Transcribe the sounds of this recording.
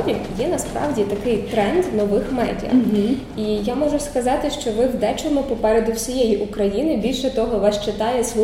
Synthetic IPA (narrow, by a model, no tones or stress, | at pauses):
ʋʲijɛnɐspɾɑ̰wdʲit̪ɐkɪjt̪ɾɛnd̪nɔʋɪxmɛ̰dʲɐ̰ | ijamɔʒʊskɐzɑt̪ɪʃt͡ʃɔʋɪwd̪ɛt͡ʃɔmupɔpɛɾed̪ʊwsʲijɛjiʔukɾɐjinɪbʲilʲʃɛt̪ɔɦɔʋɑʃt͡ʃɪt̪ɑjɛsʋ